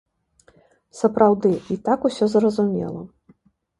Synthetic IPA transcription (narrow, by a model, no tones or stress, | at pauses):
sɐpɾawd̪ɨit̪akusʲɔzrɐzumʲɛ̰lˠɐ̰